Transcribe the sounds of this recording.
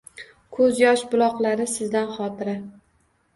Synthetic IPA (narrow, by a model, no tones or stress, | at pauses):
kʰɵzjɒʃbʊlˠɒqlˠaɾɪsɪzd̪anχɒt̪ʰɪɾa